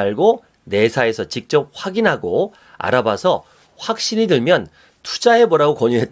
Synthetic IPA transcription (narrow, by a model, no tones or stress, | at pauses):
aɭɡo | ne̞sʰae̞sʰʌt͡ɕik̚t͡ɕ͈ʌp̚ɸwaɡinɦaɡo | a̰ɾabasʰʌ | ɸwak̚ɕ͈iɲidɯɭmjʌn | tʰu̥d͡ʑaɦe̞bʌɾaɡokʌɲuɦe̞t